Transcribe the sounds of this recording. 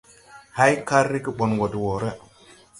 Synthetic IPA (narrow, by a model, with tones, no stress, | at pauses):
ha˦jka˦ɾːi˦ki˦ɓo˨nɡo˨dwo˨ɾe˦